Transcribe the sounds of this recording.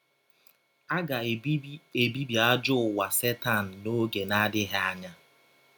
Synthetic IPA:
a˦ɡa˨˦ | e˨bi˦bi˨a˦d͡ʒʊ˦ʊ˨wa˨se˦ta˦˨n̩˨no˦ɡe˨na˦dɪ˦ɦa˦a˦ɲa˦

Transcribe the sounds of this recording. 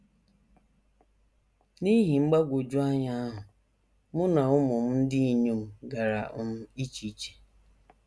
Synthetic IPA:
ni˦ɦi˨ŋ͡m̩˦ɡ͡ba˦ɡʷo˨d͡ʒu˦a˦ɲa˦a˦ɦʊ˨ | mʊ˦na˨ʊ˦mʊ˨m̩˦n̩˦dɪ˦i˨ɲu˦m̩˦ɡa˨ɾa̰˨ʔʊ˦m̩˦i˦t͡ʃi˨˦t͡ʃe̥˨

